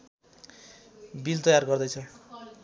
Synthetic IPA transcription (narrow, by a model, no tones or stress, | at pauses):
bilt̪ʌjarɡʌrd̪ʌjt͡sʰʌ